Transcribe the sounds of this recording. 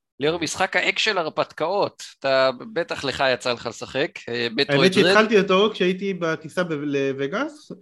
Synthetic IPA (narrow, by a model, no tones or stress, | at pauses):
leoʁmisχakhaʔekʃelaʁpat̪kao̞t̪atabet̪aχle̞χajat͡saleχalesaχekebetaeoetːʃeieχalt̪iatokʃeait̪̬ibakisabeleveɡas